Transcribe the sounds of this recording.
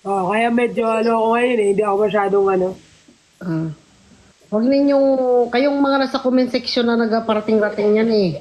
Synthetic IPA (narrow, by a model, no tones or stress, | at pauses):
ʔoʔkɐjamɛd͡ʒoʔɐloɐkoŋɐjonɛhɪnd̪iːʔɐkomɐʃaːd̪oŋʔɐno̞ | ʔa | wɐɡ̚nɪɪɲɲoŋkɐjoŋmɐŋanasɐkomɪnsɛksonːɐnɐɡapɐɾɐt̪ɪŋɾɐt̪ɪŋɲanɛ